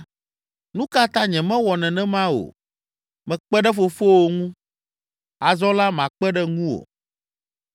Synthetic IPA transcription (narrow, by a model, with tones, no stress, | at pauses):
nũ˦ka˦t̪ã˦ɲɛ̃˨mɛ̃˦wɔ˨nɛ̃˨nɛ̃˦mã˦o̰˨ | mɛ̃˨k͡pɛ˦ɖɛ˦fo˨fo˦wo˨ŋũ˦ | a˨zɔ˦la˦mã˨k͡pɛ˦ɖɛ˦ŋũ˦wo̰˨